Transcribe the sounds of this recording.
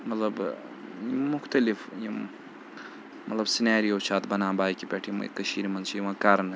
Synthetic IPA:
mɐt̪lɐb | jimʊxt̪ɐlifjim | mɐt̪lɐbsinaːɾijoːt͡ʃʰaːt̪bɐnãːbaːjkipʲeʈʰjimɐ̰kɐʃiːɾimɐnt͡ʃʰijimãːkaːɾɐn

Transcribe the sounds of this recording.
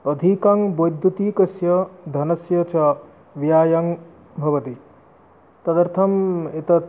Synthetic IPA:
ɐd̪ʱikɐŋbojd̪ːut̪iːkɐsjɐd̪ʱɐnɐsjɐt͡ʃʰɐ | ʋjaːjɐŋ | bʱɐʋɐt̪i | t̪ɐd̪ɐɾt̪ʰɐmet̪ɐ

